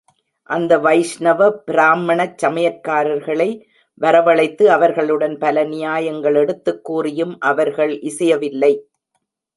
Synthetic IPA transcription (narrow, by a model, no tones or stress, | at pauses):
ʔɐnd̪ɐʋɐɪʂnɐʋɐpɪɾaːmɐɳɐt͡ʃːɐmɐjɐkːaːɾɐɾɣɐɭɐɪ | ʋɐɾɐʋɐɭɐɪt̪ːɯɐʋɐɾɣɐɭɯɽɐnpɐlɐnɪjaːjɐŋɡɐɭɛɽɯt̪ːɯkːuːrɪjɯmʔɐʋɐɾɣɐɭʔɪsɐjɐʋɪlːɐɪ